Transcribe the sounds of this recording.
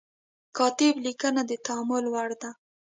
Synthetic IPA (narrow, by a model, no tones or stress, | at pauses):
kɑt̪ɪblikənad̪ət̪aamʊlwaɽd̪a